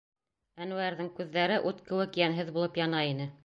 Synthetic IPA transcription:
ænʉæɾðɘŋkʉðːæɾɘʔʉt̪kɘ̆wɘkjænɦɘðbulˠɤpjɑnɑinɘ

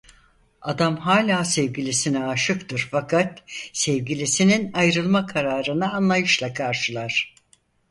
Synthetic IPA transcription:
ad̪amɦaːlʲaːsɛvɡilʲisinɛaʃɯkt̪ʰɯɾfakʰat̪sɛvɡilʲisininajɾɯlˠmakʰaɾaːɾɯnɯːnlˠajɯʃlˠakʰaɾʃɯlˠaɾ̥

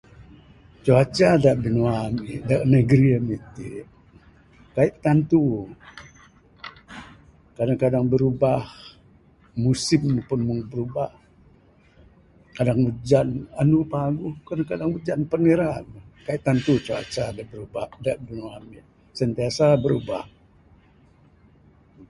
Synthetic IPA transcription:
t͡ʃoat͡ʃadaʔbənwamiʔdaʔnəɡɾiamit̪ḭ | kaiʔt̪ant̪u | kadaŋkadaŋbəɾubah | musɪmːpʊnmuŋbəɾubah | kadaŋud͡ʒananupaɡuhkadaŋkadaŋbud͡ʒanpəniɾaməkaiʔ̚t̪ːant̪ut͡ʃua̰t͡ʃadaʔbəɾubahdaʔdunuamiʔ | sənt̪iasabəɾuba̰h

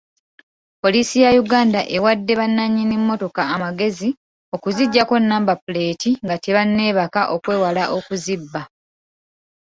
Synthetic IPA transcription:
po̞liːsijajuɡaːndaʔe̞wadːe̞βanːaɲːinimːo̞to̞kaːmaɡe̞zi | o̞kuziɟːako̞nːaːmbapule̞ːtiŋɡateβanːe̞ːβakaʔo̞kwe̞ːwalaʔo̞kuzibːa

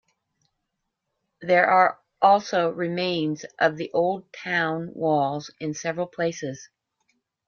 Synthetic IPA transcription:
ðə˞ʔə˞ | ʔɔlˠsoʊɹɨmẽɪ̃nzʔʌvðiʔoʊlˠd̚tʰãʊ̃nwɔlˠzɨ̃nsɛvɹl̩ˠpʰl̥eɪsɪz̥

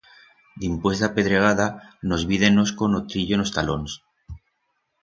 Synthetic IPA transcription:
d̪impwest̪ape̞ðɾeɣ̞aðano̞zβiðenoskonot̪ɾiʎoenost̪alons

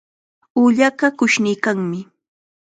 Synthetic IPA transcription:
uʎaɢakʊʃnɪjkaŋmɪ

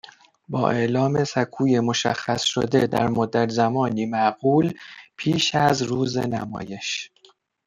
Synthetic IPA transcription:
bɒːʔe̞ʔlɒːmesækʰuːjemoʃæ̰xːæsʃo̰d̪ed̪æ̰ɾmod̪ːæt̪zæmɒːniːmæʔɢuːlpʰiːʃæzɾuːzḛnæ̰mɒ̰ːje̞ʃ

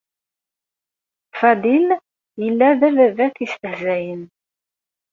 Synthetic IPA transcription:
fæd̪il | jəlːæðæðæðæθist̪əhzæjən

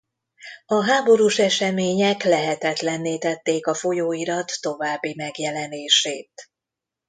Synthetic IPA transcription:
ɒɦaːbo̞ɾuʃɛʃɛmeːɲɛklɛɦɛt̪ɛt̪lɛnːeːt̪ɛt̪ːeːkɒfo̞joːiɾɒt̪ːo̞vaːbːimɛɡjɛlɛneːʃeːt̪

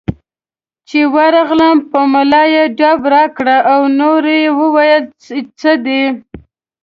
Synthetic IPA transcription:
t͡ʃewaɾɑɣlampəmalɑjeɖɑbɾɑkɽaʔawnoɾejewəwajəl | t͡səd̪e

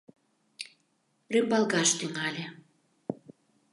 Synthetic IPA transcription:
rymbɑlɣɑʃt̪yŋɑlʲe

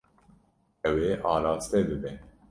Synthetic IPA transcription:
ɛweːʔɑːɾɑːst̪ɛbɨbɛn

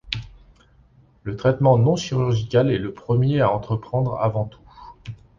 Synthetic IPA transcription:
lət̪χɛt̪mɑ̃nɔ̃ʃiʁyʁʒikʲalɛləpχəmjeaɑ̃t̪χəpχɑ̃d̪ʁa̰vɑ̃t̪u̥

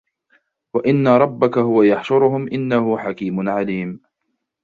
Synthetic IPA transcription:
waʔɪnːaɾˤɑbːakahʊwajɑħʃʊɾʊhʊmʔɪnːahʊħakiːmʊnʕaliːm

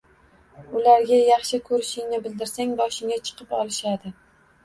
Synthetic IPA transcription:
ʊlaɾɡʲajɑχʃɪkʰɵɾɪʃɪŋnɪbɪld̪ɪɾsaŋbɒʃɪŋat͡ʃʰɨ̥qʰɨpɒlˠɪʃad̪ɪ

